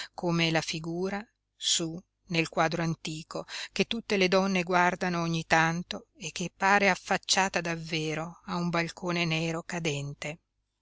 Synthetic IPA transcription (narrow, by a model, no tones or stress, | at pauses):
komelafiɡuːɾa | su | nelkwaːd̪ɾoant̪iːkoket̪ːut̪ːeled̪ɔnːeɡward̪anooɲːit̪ant̪oekːepːaːɾeafːat͡ʃːaːt̪ad̪avːeːɾoaumbalkoːnenɛːɾokad̪ɛnt̪e